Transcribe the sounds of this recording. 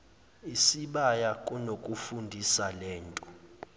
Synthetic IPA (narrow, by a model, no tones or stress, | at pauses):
isiɓajakʼunokʼufundʱisalɛːntʼu